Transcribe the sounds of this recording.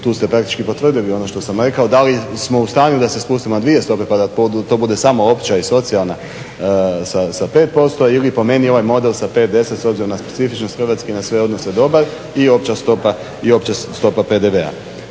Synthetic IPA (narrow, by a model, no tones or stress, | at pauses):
t̪uːst̪e̞pɾak̚t̪i̥t͡ʃkipo̞t̪ʋr̩d̪ilio̞no̞ʃt̪o̞samɾe̞kao̞d̪alismo̞ust̪ɾaːniud̪ase̞spuːst̪imonad̪ʋie̞st̪o̞pe̞pad̪apod̪t̪o̞ːbud̪e̞samo̞opt͡ʃaiso̞t̪sialˠna | sasape̞ːt̪̚po̞st̪o̞ilipo̞me̞nio̞ʋajmo̞d̪e̞lsape̞t̪̚d̪e̞se̞t̪so̞bziɾomnaspe̞̥t̪sifit͡ʃno̞st̪xr̩ʋat̪skinasʋe̞o̞d̪no̞se̞d̪o̞baɾ | io̞pt͡ʃast̪o̞pa | io̞pt͡ʃast̪o̞paped̪e̞ʋe̞a̰